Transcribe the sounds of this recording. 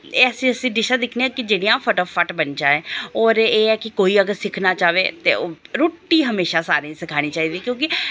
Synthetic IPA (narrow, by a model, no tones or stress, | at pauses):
eːəsĩːəsĩːɖɪʃaːd̪ɪkʰneãːkɪd͡ʒeːɽijãːfʰəʈɔːfʰəʈbənd͡ʒaːɛ̃ːɔːɾeːɛːkɪkoːiːəɡəɾsɪkʰnaːt͡ʃaːʋeːt̪ḛːoːɾoːʈːiːɦəmeːʃaːsaːɾẽsɪkʰaːñiːt͡ʃaːiːd̪iːkjõːkɪ